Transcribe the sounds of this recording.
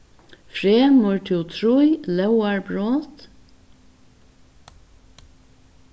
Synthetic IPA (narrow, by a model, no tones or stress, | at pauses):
fɾeːmʊɹʈ̪ʰɪlt̪ʰɾujlɛwaɹbɹoːt̪